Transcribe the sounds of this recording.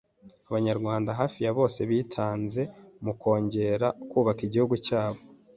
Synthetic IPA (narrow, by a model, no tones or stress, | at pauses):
aβaɲaɾɡwaːndaɦaːfijaβo̞ːse̞βiːtʰaːnze̞muko̞ːɲɟe̞ɾakuːβakiɟihuɡucaːβo̞